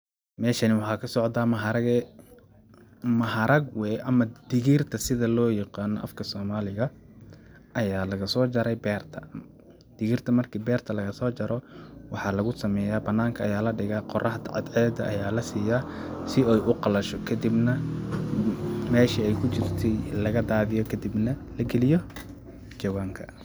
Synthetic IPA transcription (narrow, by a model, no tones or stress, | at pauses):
mɛːʃɐnɪwɑħɑːkʰɐsɔʕd̪aːmɐɦɐɾɐɡɛ | mɐɦɐɾɐɡwɛʔɐmɐd̪̥ɪɣiːrt̪ʰɐsɪðɐlɔːjɑqɑːnɔ̰ʔɐ̰fkʰɐsɔːmaːlɪɣɐ | ʔɐjaːlɐɣɐsɔːt͡ʃɐɾɛjbɛːrt̪ʰɐ̰ | d̪̥ɪɣiːrt̪ʰɐmɐrkʰiːbɛːrt̪ʰɐlɐɣɐsɔːt͡ʃɐɾɔwɑħɑlɐɣʊsɐmɛːjaːbɐnaːŋkʰɐʔɐjaːlɐɖɪɣaːqɔrʔɐɦɐd̪ʕɑ̰d̪ʕɛːd̪ɐʔɐjaːlɐsiːjaːsɪɛjʔʊqɑlɐʃɔkʰɐd̪ibnɐ | mɛːʃiɛjkʰʊt͡ʃɪrt̪ʰɛjlɐɣɐd̪aːðɪjɔkʰɐd̪ibnɐlɐɡɛlɪjɔ | d͡ʒɐwaːŋkʰɐ